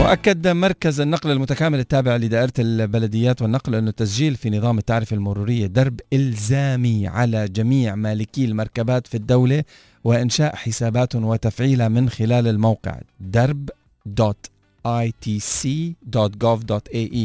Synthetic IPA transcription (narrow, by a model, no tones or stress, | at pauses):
wɪʔakːad̪mɑɾˤkazanːɑqlalmʊt̪akaːmɪlɪt̪ːaːbɪʕlid̪aːʔɪɾˤt̪albalad̪ɪjːaːt̪wɪnːɑqlʔɪnːʊt̪ːasd͡ʒiːlfinɨðˤɑːmɪt̪ːaʕɾɪfalmʊɾuːɾɪjːad̪ɑɾˤbʔɪlzaːmiʕa̰lad͡ʒamiːʕmaːlɪkiːɪlmɑɾˤkabaːt̪fid̪ːawla | wɪʔɪnʃaːʔħɪsaːbaːt̪wɪt̪afʕiːlamɪnxɪlaːlalmawqɪ̰ʕd̪ɑɾˤb | d̪oːt̪ | ʔajt̪iːsiːd̪oːt̪ɡoːvd̪oːt̪ʔeːʔiː